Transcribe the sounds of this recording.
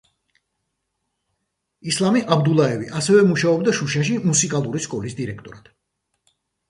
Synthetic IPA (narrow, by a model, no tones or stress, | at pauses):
islˠamiʔabd̪ulˠaɛviʔasɛvɛmuʃaɔbd̪aʃuʃaʃ̬imusikʼalˠuɾiʃkʼɔlisd̪iɾɛk̚ʰt̪ʼɔɾad̪̥